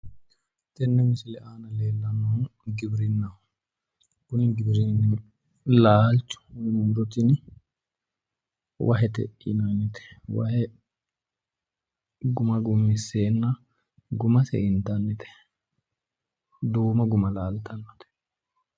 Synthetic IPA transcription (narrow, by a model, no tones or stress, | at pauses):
t̪ɛnːɛmɪsɪlɛʔaːnɐleːlːɐnːɔɡɪbɪɾɪnːɐ | kʊnɪɡɪbɾɪnːɪ | laːlt͡ʃʊ̥mmɾɔt̪ɪn | wʔɐ̰ɦɛt̪ɛ̰ʔɪ̰nanːɪt̪ɛ̥wɐ̰hɛ | ɡʊmɐɡʊmːɪsːeːnːɐ | ɡʊmɐsɛ̰ʔɪnt̪ɐnːɪt̪ɛ̥ | d̪uːmɐɡʊmɐlaːlt̪ɐnːɔ̥t̪ɛ̥